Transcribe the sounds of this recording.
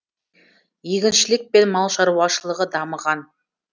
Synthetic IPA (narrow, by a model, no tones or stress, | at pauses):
jeɡʲɪnʃɪlɪk̚pe̞nmɑlˠʃɑɾuɑʃəlˠəʁəd̪ɑməʁɑn